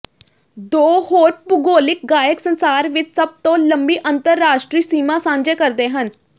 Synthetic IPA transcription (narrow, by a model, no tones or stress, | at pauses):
d̪oːhoːʈ̚bʊɡoːlɪk̚ɡaːjəksənsaːɾʋɪt͡ʃsəb̚t̪õːləmbiːʔənt̪əɾːaːʃʈɾiːsiːmãːsãːɲd͡ʒeːkəɾd̪eːɦən